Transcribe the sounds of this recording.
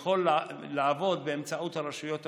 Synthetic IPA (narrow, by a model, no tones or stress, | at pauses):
χo̞lː | aːvo̞d̪beemt͡saut̪haʁaʃujo̞t̪